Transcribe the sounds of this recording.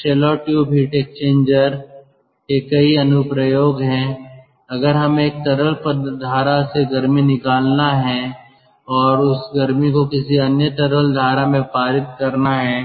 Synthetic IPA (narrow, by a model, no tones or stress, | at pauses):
ʃeːlɔːʈjubʱiʈeːkst͡ʃẽːɲd͡ʒəɾ | kekɐiɐnʊpɾəjoːɡɦɛ̃ | ɐɡəɾɦɐmẽeːk̚t̪ɐɾəlpəd̪ʱaːɾaseɡɐɾminɪkaːlnaɦɛ̃ | ɔːɾʊsɡɐɾmikokɪsiɐnjət̪ɐɾəld̪ʱaːɾamẽpaːɾɪt̪̚kɐɾnaɦɛː